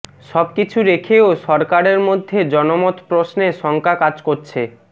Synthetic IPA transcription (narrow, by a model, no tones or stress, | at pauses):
ʃɔbkit͡ɕʰuɾekʰeoʃɔɾkaɾeɾmod̪ʱːed͡ʑɔnomot̪pɾosneʃɔŋkakad͡ʑkoɾt͡ɕʰe